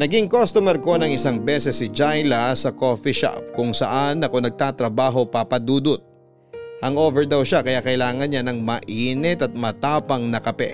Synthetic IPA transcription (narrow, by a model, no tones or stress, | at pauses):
nɐɡiŋkost̪omɛɾko̞nɐŋɪsaŋbɛːsɛsɪd͡ʒajlɐsɐko̞fiʃa̰p̚kʊŋsɐ̰ʔanːɐko̞nɐɡ̚t̪aːt̪ɾɐbaːɦo̞papɐd̪uːd̪ʊt̪̚ | ʔɐŋʔoːvɛɹd̪ɐwʃakɐjaʔkɐɪlaːŋɐnɲanɐŋmɐʔiːnɛt̪ɐt̪̚mɐt̪aːpɐŋnɐkɐpɛ̰